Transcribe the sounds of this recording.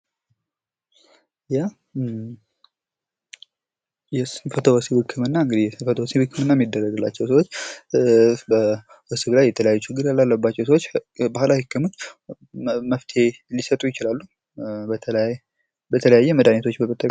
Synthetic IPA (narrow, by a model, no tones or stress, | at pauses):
ja | jɛsfət̪ʰowɔsibɨkʰːɨmɨnːaɨŋɡɨd̪ihjɛsɨnfət̪ʰowsiwɨkʰːɨmɨnːajɛmid̪ːərːəɡɨlːat͡ʃːɛws̬əwo̞t͡ʃː | bə | wɔsɨblajːɛt̪ʰələjajːut͡ʃɪɡːɨɾjalːalːəbat͡ʃːɛwsəwot͡ʃːbahlahɨkʰːɨmo̞t͡ʃː | məft̪ʰe̞lisət̪ʼujɪt͡ʃɪlalːu | bət̪ʰələjajːɛməd̪anet̪ʰot͡ʃːbəkət̪ʰʼːə